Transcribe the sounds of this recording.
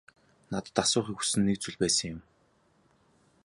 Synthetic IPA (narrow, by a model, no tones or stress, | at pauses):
nat̪ə̆t̪asʊːχĭku̥sɘ̆nːek̚t͡suɮpæːsə̆ŋjʊm